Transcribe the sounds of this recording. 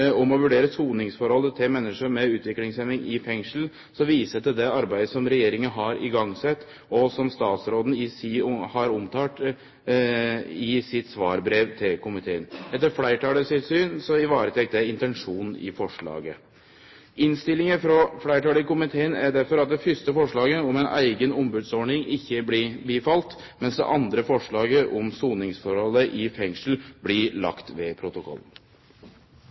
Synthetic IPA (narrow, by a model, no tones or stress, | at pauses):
ɔmɔʋʉɖeːɾəsuːnɪŋsfɔɾhɔlːət̪ʰɪlmɛnːəʂəmɛʉːt̪ʋɪklɪŋsɛnɪŋɪfɛŋʂl̩ | sɔʋiːsət̪ɪd̪ɛɑɾbæɪd̪əsɔmɾɛjeːɾɪŋənɦɑɾɪ̰ɡɑŋsɛt̪ː | ɔsɔmst̪ɑːt̪sɾoːd̪n̩ɪsɪhɑɾʊmt̪ʰɑːʈ̪ | ɪsɪt̪sʋɑːɾbɾeːʋt̪ʰɪlkʰʊmɪt̪ʰeːənɛt̪ːəɾflæɪʈɑːləsɪt̪syːnsɔɪʋɑːɾət̪ʰɛk̚t̪æɪnt̪ɛnʂuːnɪ̰fɔʂɭɑ̰ːɡə | ʔɪnst̪ɪlːɪŋəfɾɔflæɪʈɑːləkʊmɪt̪ʰeːənæɖæɾfɔɾɑt̪̚d̪ɛfʏst̪əfɔʂɭɑːɡəɔmɛnæ̰ɪɡənʊmbʉːd̪sɔɳɪŋɪçːəblɪbiːfɑlt̪ | mɛnsd̪ɛ̰ʔɑnd̪ɾəfɔʂɭɑːɡəʔɔmsuːnɪŋsfɔɾhɔlːəʔɪfɛŋʂl̩blɪlɑ̰kt̪ʋɛpʰɾʊt̪ʊkʰɔ̰lːn̩